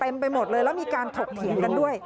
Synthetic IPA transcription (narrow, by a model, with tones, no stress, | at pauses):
t̪e˧mpa˧jmo˨˩t̪̚lɤː˧jlɛ˦˥wmiː˧kaː˧nt̪ʰo˨˩k̚t̪ʰi˨˩˦ənka˧ndu˥˩əj